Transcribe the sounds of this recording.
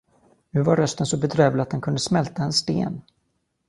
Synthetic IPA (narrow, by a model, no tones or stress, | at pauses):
nʉ̟ːvaɾːœst̪ənsɔbɛd̪ɾøːvlat̪̚d̪ɛnkɵnd̪əsmɛlt̪aɛnst̪ḛːn